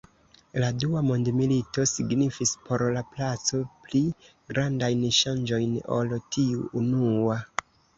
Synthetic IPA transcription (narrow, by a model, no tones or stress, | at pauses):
laduamondmilito̞siɡnifispʰo̞ɾlaplat͡so̞pli | ɡɾandajnʃand͡ʒo̞jno̞̰ltiuːnua